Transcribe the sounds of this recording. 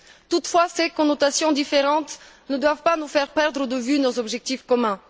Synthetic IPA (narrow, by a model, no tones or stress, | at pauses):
t̪ut̪fwasekɔ̃not̪asjɔ̃d̪ifeʁɑ̃t̪ | nəd̪wavpanufɛʁpɛʁd̪ʁəd̪əvynozɔbʒɛk̚t̪ifkɔmɛ̃